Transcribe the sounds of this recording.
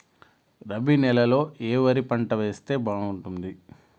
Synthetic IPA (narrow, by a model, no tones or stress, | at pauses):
ɾɐbinɛlɐlo̞ːʔeːʋɐɾipɐɳʈɐʋe̞ːst̪e̞ːbaːnuɳʈund̪i